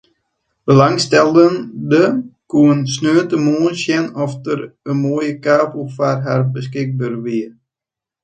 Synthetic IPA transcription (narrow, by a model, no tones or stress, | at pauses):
b̥əlaŋstɛlˠdəndəkuənsnøːtəmoːnsjɛnɔfdəɾənmoːjəkaːpufarɦarbəskɪk̚bərʋiər